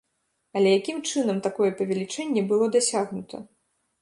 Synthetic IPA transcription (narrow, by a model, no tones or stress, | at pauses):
ɐlʲɛjakʲimt͡ʂɨnɐmt̪akɔjɛpɐvʲɛlʲit͡ʂɛnʲːɛbɨlˠɔd̪asʲaɣnut̪ʰɐ̰